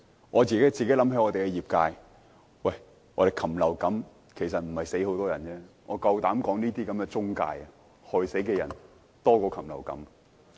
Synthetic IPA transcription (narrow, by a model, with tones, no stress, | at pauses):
ŋʔɔː˨˧t͡siː˨ke˨˥t͡siː˨ke˨˥lɐ˨˥mhɐ˨˧˥ŋɔː˨˧e˨jkɛ˧jiː˨˩p̚kaː˧j | wɐ˥˩j | ŋɔː˨˧ɾe˨jkʰɐ˨˩mlɐ˨˩wkɐ˨˥m | kʰe˨˩js̬ɐ˨t̚m̩˨˩hɐ˨jse˨˥ho˨˥wt̪ɔː˥jɐ˨˩nt͡ɕɛː˥ŋɔ̰ː˨˧kɐ˧wt̪aː˨˥mkɔː˨˥ŋniː˥t̪iː˥kɐ˨˥mkɛː˧t͡sʊ˥ŋka̰ː˧jɐ˨ | hɵ˨˧se˨˥jkɛː˧jɐ˨˩n | t̪ɔː˥kɔː˧kʰɐ˨˩mlɐ̰˨˩wkɐ̰˨˥m